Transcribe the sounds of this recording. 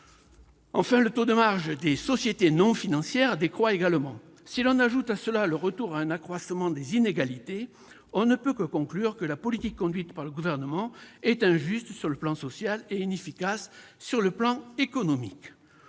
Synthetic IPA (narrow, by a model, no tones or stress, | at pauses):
ɑ̃fɛ̃lət̪od̪əmaʁʒd̪esɔsjet̪enɔ̃finɑ̃sjɛʁd̪ekχwaeɡalmɑ̃ | silɔ̃naʒut̪asəlaləʁət̪uʁaɛ̃nakχwasmɑ̃d̪ezineɡalit̪e | ɔ̃nəpøkəkɔ̃klyʁkəlapɔlit̪ikːɔ̃d̪ɥit̪paʁləɡuvɛʁnəmɑ̃ɛt̪ɛ̃ʒyst̪syʁləplɑ̃sɔsjaleinefikasːyʁləplɑ̃ekɔnɔmik